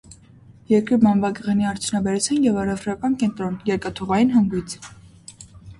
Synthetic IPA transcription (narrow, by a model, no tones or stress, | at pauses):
jɛɾkɾiɾmɑnvɑɡəʁɛniɑɾt͡sʰjunɑbɛɾut͡sʰjɑnjɛvɑrɛfɾɑkɑnkɛnt̪ɾɔnjɛɾkɑt̪ʰuʁɑjinɦɑŋɡijt͡sʰ